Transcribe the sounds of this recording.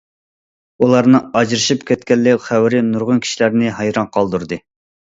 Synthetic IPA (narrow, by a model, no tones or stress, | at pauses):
ulˠɑɾnɨɑd͡ʒɾɨʃipkʲʰɛt̪kʲɛlːɪkʲχæwɾɪnuɾʁʊnkʲʰi̥ʃilæɾnɪɦɑjɾɑnqʰɑlˠd̪uɾd̪ɨ